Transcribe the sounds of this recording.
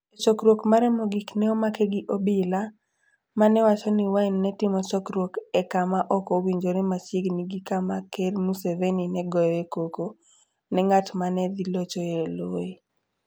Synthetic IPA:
t͡ʃɔkɾwokmaɾɛmɔɡiknɛɔmakeɡiʔobila | manɛwat͡ʃɔniwainːɛtɪmɔt͡ʃɔkɾwokɛkamaʔɔkowiɲd͡ʒoɾemat͡ʃɪɡniɡikamakermuseveninɛɡɔjɔekoko | nɛŋatmanɛd̪ilot͡ʃoeloe

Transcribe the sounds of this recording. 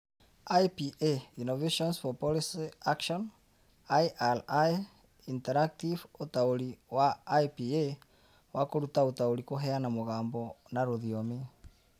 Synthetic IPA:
ajpiʔeinɔveʃɔnsfɔpɔlisiakʃɔn | ajʔala | intɛɾak̚tivotaoɾiwajpie | wakoɾutaotaoɾikoɦɛanamoɣaːmbɔnaɾoðiɔme

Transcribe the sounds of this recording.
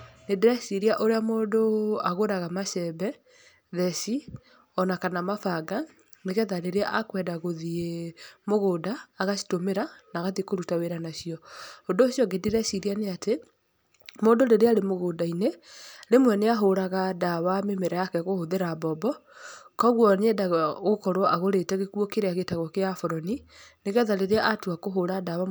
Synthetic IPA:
nediɾɛsiɾiaʔoɾeamoːndoaɣoɾaɣamaʃɛbɛ | ðɛsi | ɔnakanamafaɡa | neɣɛðaɾeɾjaʔakwɛdaɣoðiemoɣoːdaːɣasi̥tomeɾanaɣaðikoɾutaweɾanaʃiɔondoːʃjɔɡediɾɛsiɾianeate | moːndoɾeɾeaɾemoɣoːdaineɾemwɛneaɦoɾaɣadawamemeɾajakɛɣohoðeɾabɔbɔkɔɣwɔnɛdaɣɣokɔɾwɔʔaɣoɾetɛɣekwɔkeɾeaɣetaɣɔkeafoɾɔnineɣɛðaɾeɾeaʔatuakoɦoɾadawa

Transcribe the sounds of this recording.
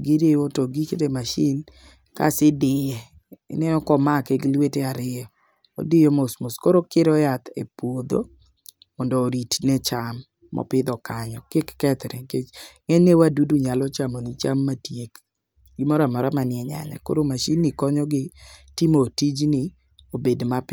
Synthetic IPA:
ɡiɾeotoɡikedemaʃin | ka̰sɪdɪjɛ̰ | nɛɔkɔmakeɡlweteaɾɪjɔ | o̰dɪjomosmoskoɾokɪɾɔjat̪ḛpwod̪o̰ | mɔndɔːɾitnet͡ʃamː | ɔ̰pɪd̪ɔkaɲɔkɪkːɛt̪ɾeŋket͡ʃŋɛnewaduduɲalɔt͡ʃamonit͡ʃamːatjek | ɡɪmɔɾamɔɾamanɪɛɲa̰ɲa̰ko̰ɾomaʃinːɪkɔɲɔɡɪtimotid͡ʒnɪ | obedmap

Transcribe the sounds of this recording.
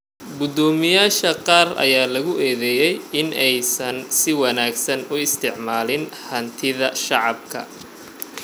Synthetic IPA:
ɡʊd̪ɔːmɪjaːʃɐqɑːrɐ̰jaːlɐɣʊʔɛːðɛjɛjɪnɛjsɐnsɪwɑnaːɡsɐnʊɪst̪ʰɪʕmaːlɪnhɐnt̪ʰɪðɐʃɑʕɑb̚kʰɐ̰

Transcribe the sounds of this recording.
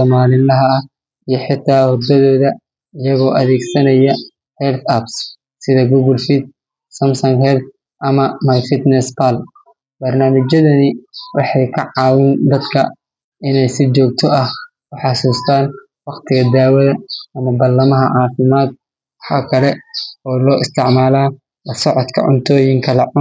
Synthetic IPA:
sɔːmaːlɪlɐɦɐɐh | ijɞħɪt̪ʰːaːhɔd̪ɐðɔːðɐ | ɪjɐɣɔːʔɐðɛːɡsɐnɐjɐ | hɛrt̪ɐbs | sɪðɐɡuːɣɐlfid̪̚ | sɐmsɔŋhɛrd̪ | ʔɐmɐmajfɪt̪nɛspal | b̥ɐrnaːmɪt͡ʃɐðɐnɪwɑħɑjkʰɐʕɑːwɪnd̪ɐd̪kʰɐ̰ | ʔɪnɛjsɪt͡ʃɔːk̚t̪ʰɔɐh | kʊħɑsuːst̪ʰaːn | wɑqt̪ʰɪɣɐd̪aːwɐðɐːmɐbɐrlːɐmɐɦɐʕɑːfɪmaːd̪̚ | wɑħa̰kʰɐlɛɔːlɔːɪst̪ʰɪʕmaːlaː | lɐsɔʕɔt̪kʰɐ̰ʕʊ̰nt̪ʰɔːjɪŋkʰɐlɐʕʊ

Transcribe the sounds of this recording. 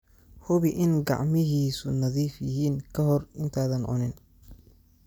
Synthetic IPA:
hʊβɪʔɪnɡɑ̰ʕmɪɦiːsʊnɐðiːfjɪɦiːŋkʰɐɦɔrɪnt̪ʰaːðɐnʕʊ̰nɪn

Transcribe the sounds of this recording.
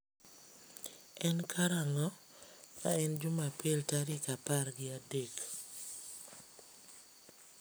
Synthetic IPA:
ɛnkʰaɾalɔ | ma̰ɛnd͡ʒumapɪltaɾɪkapaɾɡɪadek

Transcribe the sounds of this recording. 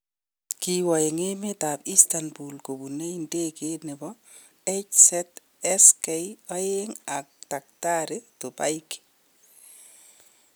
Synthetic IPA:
kiwɔeŋemetapistanbulkobuneindekenebɔ | et͡ʃsɛt | ɛskɛjɔjeŋak̚tak̚taɾetopa̰jk

